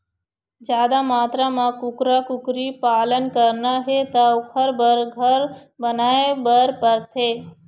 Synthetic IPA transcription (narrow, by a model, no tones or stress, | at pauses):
d͡ʒjaːd̪amaːt̪ɾamãkʊkɾakʊkɾipaːlənkəɾnaɦet̪aʊkʰəɾbəɾɡʱəɾbənaːebəɾpəɾt̪ʰeː